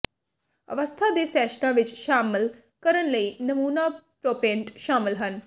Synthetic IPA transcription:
ə̰ʋəst̪ʰaːd̪eːsɛːʃnãːʋɪt͡ʃʃaːmɪl | kəɾənləiːnəmuːnaːpɾoːpẽːɳʈʃaːmɪlɦən

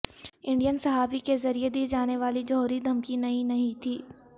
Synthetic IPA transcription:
ɪ̃ɳɖijənsɐɦaːfikezɐɾijed̪iːd͡ʒaːneʋaːlid͡ʒɔɦɾid̪ʱɐmkinɐɦĩnɐɦĩt̪ʰiː

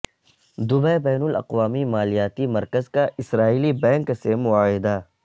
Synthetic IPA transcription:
d̪ʊbɛbɛːnʊlɐ̰qwaːmimaːlijaːt̪imɐɾkəzkaʔɪsɾaːiːlibɛ̃ːŋksemʊaːɦɪd̪a

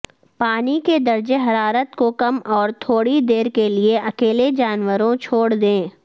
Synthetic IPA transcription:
paːniked̪ɐɾd͡ʒeɦɐɾaːɾət̪kokɐmɔːɾt̪ʰoːɽid̪eːɾkelieɐkeːled͡ʒaːnwəɾõt͡ʃʰoːɽd̪ẽː

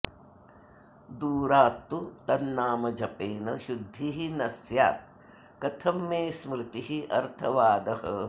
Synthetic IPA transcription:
d̪uːɾaːt̪ːut̪ɐnːaːmɐd͡ʒɐpeːnɐʃud̪ʱːiɦinɐsja̰ːt̪̚ | kɐt̪ʰɐmːeːsmɾɪt̪iɦiʔɐ̰ɾt̪ʰɐʋaːd̪ɐɦɐ̰

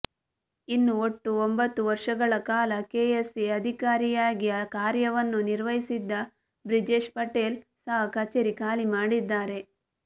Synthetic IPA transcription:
inːuoʈːuombɐt̪ːuʋɐɾʂɐɡɐɭɐkaːlɐkeːesiɐd̪ʱikaːɾijaːɡijɐkaːɾjɐʋɐnːuniɾʋɐɦisid̪ːɐ | bɾid͡ʒeʃpɐʈeːlsaːɦɐkɐt͡ʃeɾikaːlimaːɽid̪ːaːɾe̞

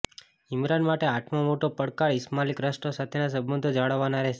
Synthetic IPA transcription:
imɾanmaʈeaʈʰmãmoʈopəɽkaɭɪsmalikɾəsʈosat̪ʰenas̬əbːənd̪ʱod͡ʒaɭəʋːanaɾɛɦʃe

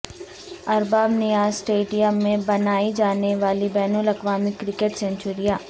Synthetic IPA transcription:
ɐɾbaːbnijaːzsʈeːɖijəmːẽbɐnaːid͡ʒaːneʋaːlibɛːnəlɐkʋaːmɪkɾɪkeʈsɛ̃ɲt͡ʃʊɾijaː

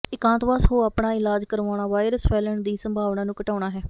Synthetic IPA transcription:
ɪkãːnt̪ʋaːsɦoːaːpɳaːɪlaːd͡ʒkəɾoːɳaːʋaːɪɾəspʰɛːləɳd̪iːsəmbʱaːʋnãːnũːkəʈaːɳ̃aːɦɛː

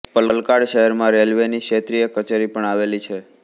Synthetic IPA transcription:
pələlkaɽʃəɦɛɾmãɾelʋeniʃet̪ɾijəkət͡ʃeɾipəɳaʋelit͡ʃʰe

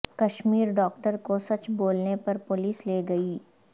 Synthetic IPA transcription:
kɐʃmiːɾɖɔːk̚ʈəɾkosɐt͡ʃboːlnepɐɾpʊliːsleːɡɐiː

